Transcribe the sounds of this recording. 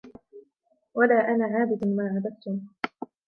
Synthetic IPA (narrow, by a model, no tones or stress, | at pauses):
walaːʔanaːʕaːbɪd̪maːʕad̪aft̪ʊm